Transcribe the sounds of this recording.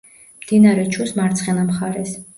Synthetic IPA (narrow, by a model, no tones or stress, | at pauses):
md̪̥inaɾɛt͡ʃʰusmaɾt̪sʰχɛnamχaɾɛs